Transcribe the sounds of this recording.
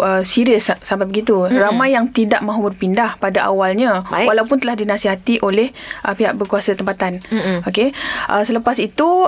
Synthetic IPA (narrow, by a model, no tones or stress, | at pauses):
əsiɾiəsːampajbəɡit̪uramãjːaŋt̪idaʔmãɦubərpindahpadaʔa̰walɲãwalawpʊnt̪əlahdinasiɦat̪iʔolɛhʔəpiɦa̰ʔbərkuasat̪əmpat̪anokeʔəsələpasit̪u